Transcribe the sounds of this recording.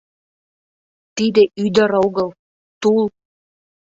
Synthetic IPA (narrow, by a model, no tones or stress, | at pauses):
t̪id̪ĕʔyd̪ə̆ɾoɣəlˠ | t̪ul